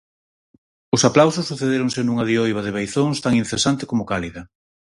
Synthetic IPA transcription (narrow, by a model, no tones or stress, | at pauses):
ʊsaplawsʊsːuθeðeɾoŋsenuŋaðiojβaðɪβejθoŋst̪aŋinθesant̪ɪkomʊkaliðɐ